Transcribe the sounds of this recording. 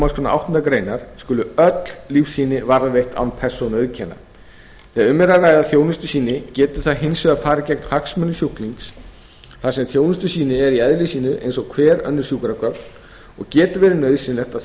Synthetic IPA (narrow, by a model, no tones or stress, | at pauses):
maskʰʏnaa̰wht̪ɔnt̪akɾeːjnaɾ̥skʏːlʏœt̪llifsiːnɪvaɾvejht̪a̰wnpʰɛ̥sɔnœðcʰɛnːa̰ | θɛːaʏmːɛɾaraːjðaθjoːwnɪst̪ʏsiːnɪcɛːt̪ʏ̥θaðɦensʏafaːɾacɛjknhaksmœnʏsjuhkliŋks | θasɛmθjoːwnɪst̪ʏsiːnɪɛɾiɛðlɪsiːnʏʔḛjnsɔɣkʰvɛːɾœ̰nːʏɾ̥sjuːkɾakœpn | ɔ̰ɣcɛːt̪ʏvɛːɾɪnœɥðsɪnlɛxt̪a